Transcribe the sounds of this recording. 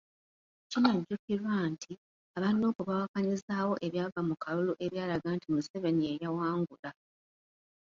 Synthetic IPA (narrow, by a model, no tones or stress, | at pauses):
cinaɟukiɾwantʰi | aβanːoːkuβawakaɲizaːwo̞ʔe̞βjaːɡamukʰaluluʔe̞βjaːlaɡaːntimuse̞βe̞nie̞jawaːŋɡula